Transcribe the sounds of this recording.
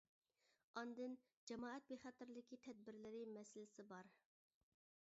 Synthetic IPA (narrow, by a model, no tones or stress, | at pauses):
ɑnd̪ɨn | d͡ʒɛmɑːɛt̪̚beχɑt̪ɪɾlɪkʲit̪ʰɛd̪̚bɪɾlɪɾɪmɛsɪlɪsɪbɑɾ